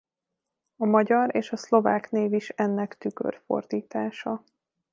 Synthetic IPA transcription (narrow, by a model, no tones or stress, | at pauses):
ɒmɒɟɒɾeːʃɒslo̞vaːkneːviʃɛnːɛkt̪ykø̰rfo̞̰rd̪iːt̪aːʃɒ